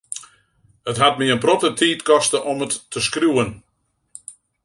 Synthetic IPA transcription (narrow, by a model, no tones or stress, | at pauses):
ətɦat̚miənprɔtətʰiːtkɔstəʔɔmətːəskruən